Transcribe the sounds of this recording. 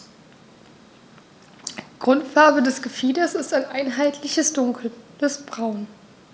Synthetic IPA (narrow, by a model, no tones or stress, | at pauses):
ɡ̥ʁʊntfaɐbədɛsɡ̥əfiːdɐsɪstaɪnʔaɪnɦaɪtʰlɪçəsd̥ʊŋkʰl̩d̥ɛsb̥ʁaʊn